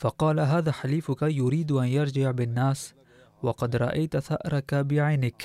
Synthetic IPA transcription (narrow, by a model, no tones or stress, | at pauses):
fɑqɑːlaɦaːðaːħaliːfʊkajʊɾiːd̪ʔanjɑɾˤd͡ʒɪʕbɪnːaːs | wɑqɑd̪ɾˤɑ̰ʔajt̪θa̰ʔɾˤɑkabɪʕajnɪk